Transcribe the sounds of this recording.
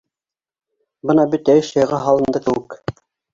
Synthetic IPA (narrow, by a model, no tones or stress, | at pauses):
bɤnɑbɘt̪ːæjɘʃɤ̆jʁɑɦɑlˠɤ̆nd̪ɤkɘ̆wɘk